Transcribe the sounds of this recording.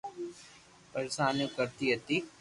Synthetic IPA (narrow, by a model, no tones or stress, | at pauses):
pɐɾesaːnukɐɾt̪iɐt̪i